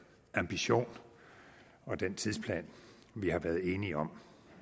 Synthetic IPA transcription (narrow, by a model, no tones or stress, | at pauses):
æmb̥iɕo̝̰ːn | ɒ̽d̥ent͡sʰiðˠspʰlɛ̰ːn | ʋihɑ̈ʋæːɐðˠe̝ːniɒ̽m